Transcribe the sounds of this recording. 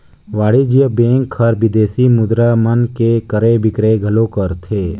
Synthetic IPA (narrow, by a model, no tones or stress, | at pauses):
ʋaːɽid͡ʒijəbẽːŋkʰəɾbɪd̪eːsimʊd̪ɾamənkekəɾebɪkɾeɡʱɐlokəɾt̪ʰeː